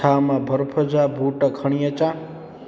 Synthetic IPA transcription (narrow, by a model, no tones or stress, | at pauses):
awmabʱʌrpʰʌd͡zabʱuʈʌkʰʌɽ̃ijʌt͡sa